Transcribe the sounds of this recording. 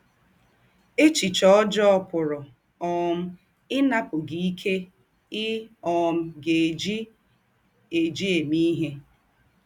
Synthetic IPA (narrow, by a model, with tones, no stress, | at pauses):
e˦t͡ʃi˨t͡ʃɔ˦ɔ˦d͡ʒɔ˦ɔ˦pʊ˨ɾʊ˨ | ɔ˨m̩˦ | ɪ˦na˦pʊ˨ɡi˨i˦kʰe˦ | ɪ˦ɔ˨m̩˦ɡe˨d͡ʒi˦ | e˨d͡ʒi˦e˨mi˦ɦe˦